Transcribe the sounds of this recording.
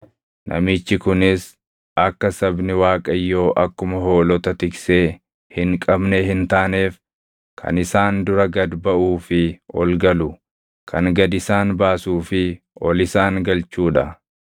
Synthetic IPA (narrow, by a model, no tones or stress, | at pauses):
nʔɐ̰mɪt͡ʃːɪkʊnɪs | ɐkːɐsɐbnɪwaːkʼɐjːo̞ːʔɐkːʊmɐɦo̞ːlɔt̪ɐt̪ɪkseː | hɪŋkʼɐbnehɪnt̪aːneːf | kʰɐ̰nɪsaːnd̪ʊɾɐɡɐd̪bɐʔuːfɪʔɔlɡɐlʊ | kʰɐŋɡɐd̪ɪsaːnbaːsuːfɪ | ʔɔlɪsaːŋɡɐlt͡ʃuːᶑɐ